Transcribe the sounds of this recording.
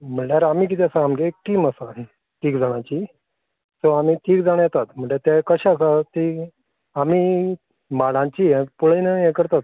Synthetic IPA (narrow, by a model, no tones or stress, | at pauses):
m̤əɳʈjaɾam̤iːk̬it̪ɛasaamɡekkiːməsaɦe | tiːkd͡zaɽ̃ãt͡ɕiː | soam̤iːtʰiːkd͡zaɽ̃jat̪at̪m̤əɳd͡ʑeɾt̪akəɕasat̪iː | amiː | maɽãt͡ɕiːepuɭenəjekəɾt̪at̪̚